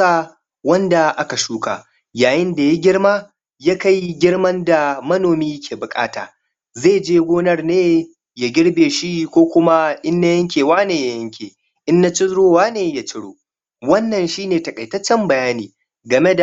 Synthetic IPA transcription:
a˦ | wɐ˦nda˨ʔa˦ka˨ʃuː˦kaː˨ | jaː˨jɪ˦nda˨ja˦ɡʲɪ˦ɽmaː˦ | ja˦ka˦jɡʲɪ˦ɽmɐ˦nda˨mɐ˦noː˨miː˦kʲʰeː˨bʊ˨kʼa̰ː˦ta̰ː˨ | zeː˦˨d͡ʒeː˦ɡʷoː˦nɐ˦rneː˦ | ja˨ɡʲɪ˦ɽbeː˨ʃi˦kʷoː˦kʷʊ˦ma˦ʔɪ˦nːa˦jɐ˦ŋkʲeː˨waː˦neː˨ja˦jɐ˦ŋkʲʰeː˨ | ʔɪ˦nːa˦t͡ʃɪ˦zɽoː˦waː˦neː˨ja˨t͡ʃɪ˦ɽo̰ː˨ | wɐ˦nːɐ˨nʃiː˦neː˨tɐ˨kʼɐ˨jtɐ˦t͡ʃːɛ˦mbɐ˨jaː˦niː˨ | ɡɐ˨me˦da˨

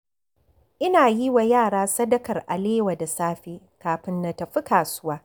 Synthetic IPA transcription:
ʔɪ˦naː˨ji˦wa˨jaː˦˨ɽaː˦sɐ˦dɐ˦kɐ˨rʔa̰˨leː˦wa˨da˨saː˦ɸeː˦ | kaː˨ɸɪ˦ndɐ˨tɐ˨ɸi˦kaː˨sʊ˦waː˦

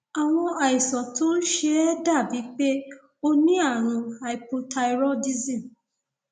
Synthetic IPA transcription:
a˨w̃ɔ̃˧a˨i˨sɔ˨tũ˦n̩˦ʃe˧ɛ˦da˦˨bi˨˦k͡pe˦ | o˧nĩ˦a˦˨ɾ̃ũ˧ha˧˨i˨po˧tʰa˧i˧ɾɔ˦di˦zĩ˦˨

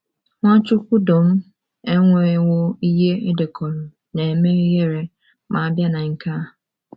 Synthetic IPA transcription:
ŋʷa˦t͡ʃʊ˦kʷu˦do˨m̩˦ | e˦ŋʷe˨˦wʊ˦i˦ɦe˦e˦de˨kʰɔ˨ɾu˨ | ne˨e˨me˦ɾi˦je˦ɾe˨ | mʔa˨a˨bja˦na˨ŋ̩˨ka˦

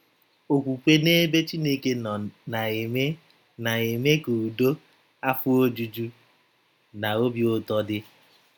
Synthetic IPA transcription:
o˨kʷu˨kʷe˦ne˦be˦t͡ʃi˦ne˦ke˦˨n˨˦ | na˨e˨me˦ku˨u˨do˦ | a˦fʊ˦o˦d͡ʒu˨d͡ʒu˦ | na˨o˦bjo˦˨tɔ˦dɪ˦

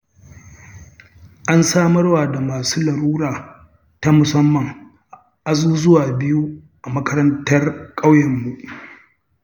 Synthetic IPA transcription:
ʔa˦nsaː˦mɐ˦rwaː˨da˨maː˨suː˦lɐ˨ɾuː˦ɾaː˨ | ta˦mʊ˨sɐ˦mːɐ˨ŋ | ʔa˦zuː˦zʊ˦waː˨bɪ˦ju˦ | ʔa˨mɐ˦kɐ˦ɾɐ˦ntɐ˦rkʼa˦wjɐ˨mːu˨ʔ

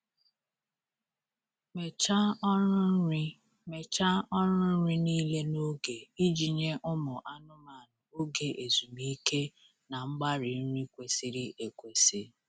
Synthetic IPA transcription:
me˨a˦ | me˨t͡ʃa˦ɔ˦ɾʊ˦n̩˦ɾi˦niː˦le˦no˦ɡe˨i˦d͡ʒi˨ɲe˦ʔʊ˦mʊ˨ʔa˦nʊ˦ma˨nʊ˨o˦ɡe˨ʔe˨zu˨mi˦ke˦ | na˨ŋ͡m̩˦ɡ͡ba˦ɾi˨˦ɾi˦kʷe˨si˦ɾi˦ʔe˨kʷe˨si˦

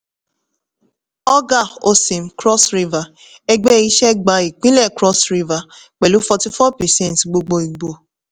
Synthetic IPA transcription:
ɔ˦ɡa˦˨o˧sĩ˨m̩˨˦kɾɔ˦sɾi˦va˨ | ɛ˦ɡ͡bɛ˦i˦ʃɛ˦ɡ͡ba˧i˨k͡pĩ˦lɛ˦˨kɾɔ˦sɾi˦va˨ | k͡pɛ˨lu˨˦fɔ˧ti˦fɔ˦pɛ˨sɛ̃˦˨n˨tɡ͡bo˧ɡ͡bo˧i˨ɡ͡bo˨

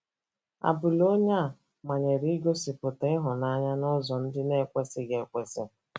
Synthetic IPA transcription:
a̰˨bʊ˨lo˦ɲa˦˨ | ma˨ɲe˨ɾi˦ɡo˦sɪ˨pʊ˨tɪ˦ɦʊ˨na˦ɲa˦nʊ˦zɔ˨n̩˦dɪ˦ne˦˨kʷe˦sɪ˨ɡe˨kʷe˨sɪ˦

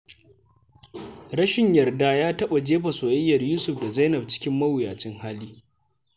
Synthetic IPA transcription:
ɽɐ˦ʃɪ˨ɲjɐ˨rdaː˦jaː˦tɐ˦ɓa˨d͡ʒeː˦ɸa˨soː˨ʔɪ˦jːɐ˨rjuː˦sʊ˨ɸda˨za˦nɐ˨b̚t͡ʃɪ̥˦kʲɪ˦mːɐ˦wʊ˨jaː˨t͡ʃɪ˦ŋhaː˦liː˦

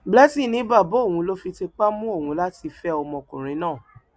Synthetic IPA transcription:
bla˦ti˦˨nĩ˨˦ba˦˨bo˨˦o˦˨w̃ũ˨˧lo˦fi˧te˧k͡pa˦mũ˦o˦˨wũ˨˦la˦ti˧fɛ˦ɔ˧mɔ̃˧kṵ̃˨ɾ̃ĩ˨˦nãː˦˨

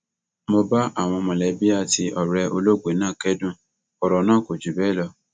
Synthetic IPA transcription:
mo˧ba˦ʔa˦˨w̃ɔ̃˧mã˨lɛ˨˦bi˦a˦˨ti˧ʔɔ˨ɾɛ˧o˧lo˦ɡ͡be˨˦nãː˦˨kɛ˦dũ˦˨ | ɔ˧ɾɔ˨nãː˦˨ko˨d͡ʒu˨bɛ˨˦˨lɔ˧˦

